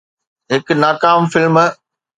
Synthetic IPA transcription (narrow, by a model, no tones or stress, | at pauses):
ɦɪknaːkaːmfɪlm